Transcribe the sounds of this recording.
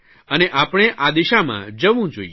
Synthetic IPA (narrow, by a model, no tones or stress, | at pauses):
əneʔapɽ̃eʔad̪iʃamã̰d͡ʒəʋũd͡ʒoie